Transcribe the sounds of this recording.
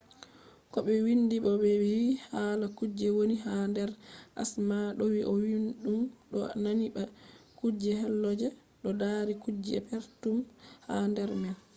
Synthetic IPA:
kɔɓɛwindiɓɔɓɛwihalakud͡ʒɛwoniɦandɛɾʔa̰smaɗɔwiʔɔwinɗumɗɔnaniɓakud͡ʒɛɦɛlːɔd͡ʒɛ | ɗɔdaɾikud͡ʒɛ̰pɛɾtumhandɛɾmɛl

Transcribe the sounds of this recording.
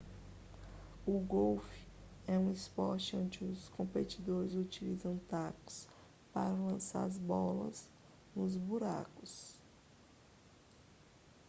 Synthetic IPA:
ʊɡowfi̥ɛũispɔɾt͡ʃɪõd͡ʒɪʊskõpet͡ʃid̪oɾɪzut͡ʃilizɐ̃w̃t̪akʊ̥s | pa̰ɾɐlɐ̃sa̰ɾɐzbɔlɐ̰z | nʊzbuɾa̰kʊs

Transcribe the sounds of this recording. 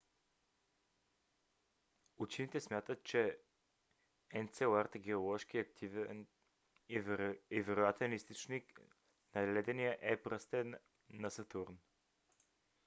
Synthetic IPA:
ut͡ʃinit̪ɛsmʲjat̪ət̪̚t͡ʃɛ | ɛnt̪sɛoaɾt̪əɡɛolˠɔʃkiɐkt̪ʰivɛn | ɛvɛɾojat̪ɛnist̪ot͡ʃnik | nɐlɛd̪ɛnijəʔɛpɾəst̪ɛn | nɐsɐt̪uɾn

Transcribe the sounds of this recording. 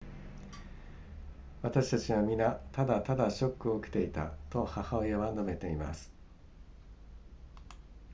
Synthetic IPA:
βat̪aɕi̥t̪at͡ɕiβamʲinat̪ad̪at̪ad̪aɕo̞kːɯ̟o̞ːke̥t̪e̞it̪a̰t̪o̞hahaojaβanome̞t̪e̞ima̰sɨ̥

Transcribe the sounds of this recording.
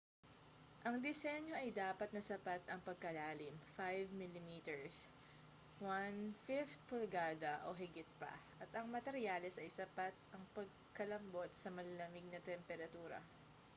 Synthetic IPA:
ʔɐŋd̪ɪsɛɲo̞ʔɐjd̪aːpɐt̪̚nɐsɐpat̪ɐŋpɐɡ̚kɐlaːlɪmfajvmilɪmiːt̪ɛɹs | wanfɪft̪̚polɡaːd̪ɐʔoɦɪɡɪt̪̚pɐ̰ʔɐt̪ɐŋmɐt̪ɛɾjaːlɛsɐjsɐpat̪̚ʔɐŋpɐɡ̚ | kɐlɐmbo̞t̪̚sɐmɐlɐlɐmɪɡ̚nɐt̪ɛmpɛɾɐt̪uːɾɐ̰

